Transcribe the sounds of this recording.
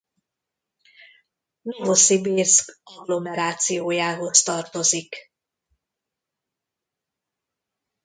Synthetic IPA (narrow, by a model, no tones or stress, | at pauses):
no̞vo̞sibirskɒɡlo̞mɛɾaːt̪sijoːjaːɦo̞st̪ɒrt̪o̞zik